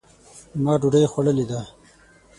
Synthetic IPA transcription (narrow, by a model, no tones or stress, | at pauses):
mɑːɖuɖɐjxwɐɽəlid̪aː